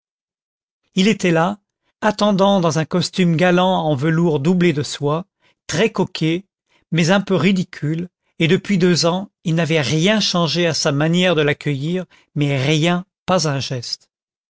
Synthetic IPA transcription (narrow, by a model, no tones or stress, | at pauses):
ilet̪ɛla | at̪ɑ̃d̪ɑ̃d̪ɑ̃zɛ̃kɔst̪ymɡalɑ̃ɑ̃vəluʁd̪ubled̪əswa | t̪χɛkɔkʲʰe | mɛzɛ̃pøʁid̪ikʲʰyl | ed̪əpɥid̪øzɑ̃ilnavɛʁjɛ̃ʃɑ̃ʒeasamanjɛʁd̪əlakʰʲəjiʁ | mɛʁjɛ̃pazɛ̃ʒɛst̪